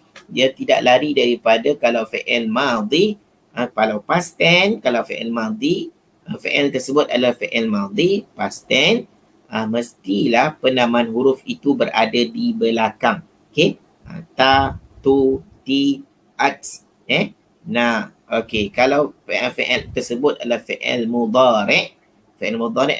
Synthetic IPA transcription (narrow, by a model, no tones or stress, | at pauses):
diat̪ida̰ʔlaɾidaɾipadakalawfeʔɛlmad̪i | ʔəpalawpast̪ɛnkalawfeʔɛ̰lmad̪i | əfḛʔɛlt̪ərsəbʊt̪̚adafeʔɛlmãd̪ipast̪ɛn | əməst̪ilahpənamãnhuɾʊfit̪ubəɾa̰dadibəlakaŋ | oke | ə̰t̪at̪ut̪i | ʔak̚s | ɛ | na | okekalawfiʔɛfiʔɛlt̪ərsəbʊt̪̚alafiʔɛ̰lmud̪ˤɑɾɪʔ | fiʔɛlmud̪ɑɾɪ̰ʔ